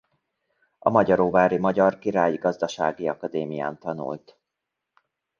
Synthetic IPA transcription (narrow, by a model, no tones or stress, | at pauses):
ɒ̰mɒɟɒɾoːvaːɾimɒɟɒrkiɾaːjiɡɒzd̪ɒʃa̰ːɡiɒkɒd̪eːmija̰ːnt̪ɒnṵlt̪